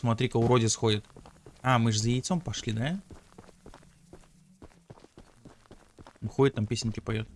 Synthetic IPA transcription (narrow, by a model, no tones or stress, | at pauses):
smɐt̪ɾʲikkʊɾodʲɪsxodʲɪt̪amɨʐzəjɪjt̪so̞mpɐʂlʲid̪a | ɨxodʲɪt̪ːampʲesʲɪnʲkʲɪpɐjot̪̚